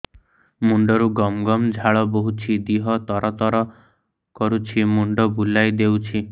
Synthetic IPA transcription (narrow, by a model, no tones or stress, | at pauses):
muɳɖɔɾuɡɔmɡɔmd͡ʒʱaɭɔboɦut͡ʃʰid̪iɦɔt̪ɔɾɔt̪ɔɾɔ | kɔɾut͡ʃʰimuɳɖɔbulajd̪ewt͡ʃʰi